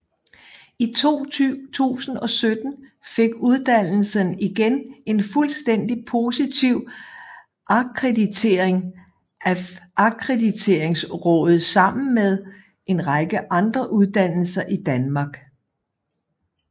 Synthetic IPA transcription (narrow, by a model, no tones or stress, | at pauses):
it͡sʰo̝̰ːt͡sʰṵːsn̩ɒ̽sød̥n̩ | fe̝ɡ̥uð̞ˠd̥æn̰l̩səniɡ̥ene̝nfulsd̥en̰d̥ipʰo̝sit͡sʰiʊ̰ | ʔɑ̈kʰʁedit͡sʰe̝ɐeŋ | æʔɑ̈kʰʁedit͡sʰe̝ːɐ̰e̝ŋsʁɔ̽ːð̞̩ˠsɑ̈m̰n̩með̞ˠ | ʔe̝nʁɑɡ̥əʔɑ̈nd̥ʁɐʔuðˠd̥æn̰l̩sɐʔid̥ænmɑ̈ːɡ̥